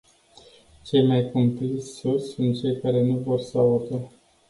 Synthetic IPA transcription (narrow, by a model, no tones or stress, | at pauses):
t͡ʃe̞jmajkomplisʲsosʲsunt̪̚t͡ʃe̞jkaɾe̞nuvo̞rsəaut̪ə